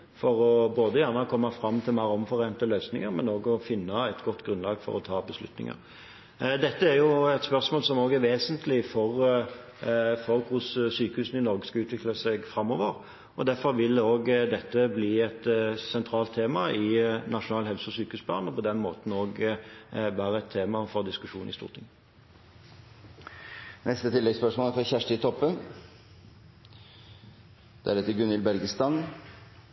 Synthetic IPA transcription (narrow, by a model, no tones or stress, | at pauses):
fɔɾɔboːd̪əjæɾnəkʰɔmːɑfɾɑmt̪ʰɪlmɑʁɔmfɔɾeːnt̪əløːsnɪŋəɾmɛnoːɡɔfɪnːəɛt̪ɡɔt̪ːɡɾʉnlɑːɡfɔ̰ɾɔt̪ʰɑːbəslʉ̰t̪nɪ̰ŋə̰ɾ | d̪ɛt̪ːəæɾjʊɛt̪spœɾsmoːlsɔmoːɡæɾʋeːsənt̪ʰlɪfɔʁ | fɔɾkʰʊssyːkəhʉːsn̩ɪnɔɾɡəskɑʉːt̪ʋɪklɑsɛɡfɾɑmːoːʋəɾ | ɔd̪æɾfɔɾʋɪloːɡd̪ɛt̪ːəbliːɛt̪sɛnt̪ʰɾɑːlt̪ʰːeːmɑɪnɑʂʊnɑːlhɛlsəɔsyːkəhʉːsb̪ɑ̰ːʁnɔpɔd̪ɛnmoːt̪n̩oːɡ | bæːʁəɛt̪ʰːeːmɑfɔʁd̪ɪskʉʂuːnɪ̰st̪ṵːʁt̪ʰɪŋ | nɛst̪ət̪ʰɪlːɛɡspœʂmoːlæɾfɔçæʂʈɪt̪ʰɔpːən | d̪̥ɛæɖɛt̪əɡʉnɪlbɛɾɡəst̪ɑn